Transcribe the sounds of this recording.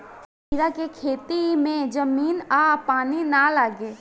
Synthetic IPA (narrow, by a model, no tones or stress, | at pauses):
iɾakekʰeːt̪imẽd͡ʒəmiːnaːpaːninalaːɡeː